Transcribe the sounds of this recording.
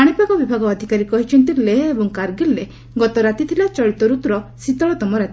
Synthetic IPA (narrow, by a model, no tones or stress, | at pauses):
aɽ̃ipakɔbibʱaɡɔːd̪ʱikaɾikɔɦit͡ʃʰɔnt̪ilːeːbɔŋkaɾɡilːe | ɡɔt̪ɔɾat̪it̪ʰilat͡ʃɔɭit̪ɔɾut̪ɾɔsit̪ɔɭɔt̪ɔmɔɾat̪